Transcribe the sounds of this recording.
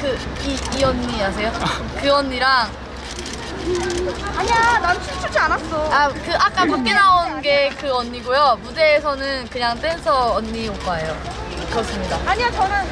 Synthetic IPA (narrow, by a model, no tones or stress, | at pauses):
kɯ | iːʌnːias̬ʰe̞jo | kɯʌɲːiɾaŋ | aɲiananɯt͡ɕʰut͡ɕʰuɭt͡ɕʰianas͈oakɯʔak̚k͈akup̚k͈enaonɡe̞kɯʌɲːiɡojomudeːsʰʌnɯnkɯɲaŋt͈wensʰʌːnːiok̚kaejo | kɯɾʌs͈ɯmɲidaaɲiat͡ɕʌnɯn